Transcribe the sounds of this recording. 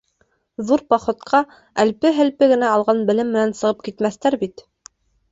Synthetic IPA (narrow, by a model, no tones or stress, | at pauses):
ðuɾpɑχŏt̪qʰɑ | ælpɘɦɘ̆lpɘɡɘ̆næɑlˠʁɑnbɘ̆lɘmːɘ̆nænsɤ̆ʁɤp̚kit̪mæθt̪æɾbit̪